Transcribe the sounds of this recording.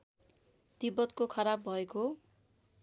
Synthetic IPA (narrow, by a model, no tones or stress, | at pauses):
d̪̥ibʌt̪kokʰʌɾabːʱʌeko